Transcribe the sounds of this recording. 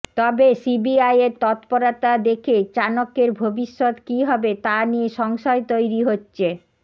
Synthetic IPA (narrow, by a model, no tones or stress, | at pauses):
t̪ɔbesibiajeɾt̪ɔt̪poɾat̪ad̪ekʰet͡ɕanokeɾbʱobiʃːot̪kiɦɔbet̪anieʃɔŋʃɔet̪ojɾiɦotːɕʰe